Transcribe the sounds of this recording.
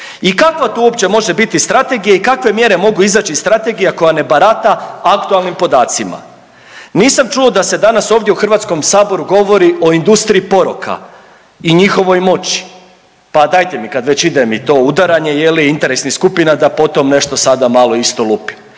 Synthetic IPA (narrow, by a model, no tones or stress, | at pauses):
ikakʋat̪uːopt͡ɕe̞mo̞ʒe̞bit̪ist̪ɾat̪e̞ɡijaikakʋe̞mje̞ɾe̞mo̞ɡuizaːt͡ɕist̪ɾat̪e̞ɡijako̞jane̞baɾat̪aakt̪ualˠnimpo̞d̪aːt̪sima̰ | niːsamt͡ʃuod̪ase̞d̪anaso̞ːvd̪jeuxr̩ʋaːt̪sko̞msaːbo̞ɾuɡo̞ʋo̞ɾiʔo̞ind̪ust̪ɾiipo̞ɾokʰa̰ | iɲixo̞ʋo̞jmo̞t͡ɕi̥ | pad̪aːjt̪e̞mikad̪ʋe̞t͡ɕid̪e̞mit̪o̞ud̪aɾaɲe̞jeliint̪e̞ɾesniskupinad̪apo̞t̪o̞mne̞ʃt̪o̞sad̪amalˠo̞ist̪o̞lˠupi̥